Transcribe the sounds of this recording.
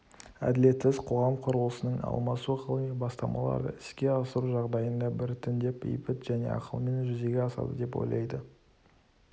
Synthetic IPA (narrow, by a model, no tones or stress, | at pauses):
æ̰d̪ɪle̞t̪sɪz̥qʰo̞ʁɑmqʰʊɾəlˠəsənəɴɑ̰lˠmɑsuqʰəlˠəmijbɑst̪ɑmɑ̰lˠɑ̰ɾd̪ə̰ɪskʲe̞ɑsəɾuʒɑʁd̪ɑjənd̪ɑbɪɾt̪ʰɪnd̪e̞pḛjpɪt̪ʒæne̞̰ɑ̰qəlˠme̞nʒʏze̞ɡʲe̞ɑsɑ̰d̪ə̰d̪e̞pwo̞̰jlˠɑ̰jd̪ə